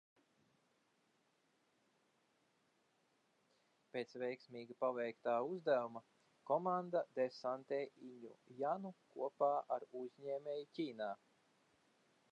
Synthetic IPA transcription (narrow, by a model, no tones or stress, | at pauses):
pʲeːt̪svʲɛjksmʲiːɡapavɛjkt̪aːuzd̪æwuma | kɔmand̪ad̪ɛsant̪eːʔiɲṵjanukuɔpaːʔaɾuzɲeːmʲejucʲiːnaː